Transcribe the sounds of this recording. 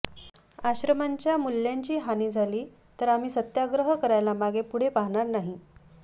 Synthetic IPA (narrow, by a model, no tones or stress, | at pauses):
aɕɾəmaɲt͡ɕjamulːjaɲt͡ɕiːɦaniːd͡zʱaliː | t̪əɾam̤iːsət̪jaɡɾəɦəkəɾajlamaɡepuɽ̤epaɦɳ̃aɾnaɦi